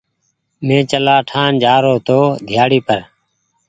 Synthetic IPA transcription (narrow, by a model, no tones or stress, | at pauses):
mẽːt͡ʃəlaːʈʰaːnd͡ʒaːɾoːt̪oːd̪ʱjaːɽiːpəɾ